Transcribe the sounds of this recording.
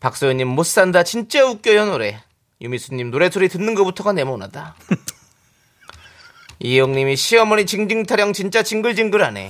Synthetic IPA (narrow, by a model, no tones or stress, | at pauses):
pak̚s͈ojoɲːimːos͈andat͡ɕint͡ɕ͈auk͈jʌjʌnoɾe̞ | jumis͈ʰuɲːimnoɾe̞sʰoɾitɯnːɯnɡʌputʰʌɡane̞mona̰da | ijoŋɲimiɕʰiʌmʌnit͡ɕiŋd͡ʑiŋtʰaɾjʌŋt͡ɕint͡ɕ͈at͡ɕiŋɡɯɭd͡ʑiŋɡɯɾane̞̰